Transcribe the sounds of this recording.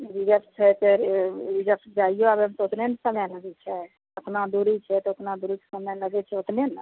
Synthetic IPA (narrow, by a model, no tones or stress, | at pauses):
ɾid͡ʒəpt͡ʃʰɛt̪eid͡ʒəpsd͡ʒaijoabəmt̪ot̪nensəmɛləɡɛt͡ʃʰɛ | ət̪nad̪uɾit͡ʃʰɛt̪ɔot̪nad̪uɾit͡ʃsəmɛləɡɛt͡ʃʰɛot̪nen